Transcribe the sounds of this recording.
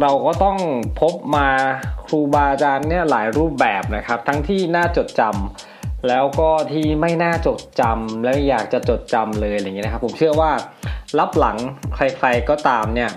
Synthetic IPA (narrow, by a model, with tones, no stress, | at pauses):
ɾa˧wkɔː˥˩t̪ɔ˥˩ŋpʰo˦˥p̚maː˧kʰɾuː˧baː˧t͡ɕaː˧nːi˥˩ɐlaː˩˦jɾuː˥˩p̚bɛː˨˩p̚na˦˥kʰa˦˥p̚t̪ʰa˦˥ŋt̪ʰiː˥˩naː˥˩t͡ɕo˨˩t̪̚t͡ɕa˧m | lɛː˦˥wkɔː˥˩t̪ʰiː˥˩ma˥˩jnaː˥˩t͡ɕo˨˩t̪̚t͡ɕa˧mlɛː˦˥ma˥˩jaː˨˩k̚t͡ɕa˨˩t͡ɕo˨˩t̪̚t͡ɕa˧mlɤː˧ja˧jŋi˦˥n˦kʰpʰːo˩˦mt͡ɕʰɯ˥˩ɐwaː˥˩la˦˥p̚la˩˦ŋkʰɾa˧jkʰla˧jkɔː˥˩t̪aː˧mni˥˩ɐ